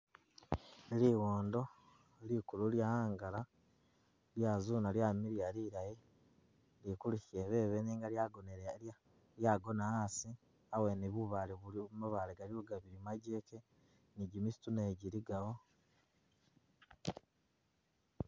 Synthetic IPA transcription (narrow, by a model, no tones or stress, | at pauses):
liwoːndo̞ | likululjaaːŋɡala | ljazuːnaljamiɾijaliɾaje | likuliçeβe̞ːβeniːŋɡaɡne | ljaɡo̞naasi | aweneβuβaliβuiommaβaleɡaliuɡaβiɾimaɟe̞ːke | niɟimisi̥tunaeɟiɾiɡawo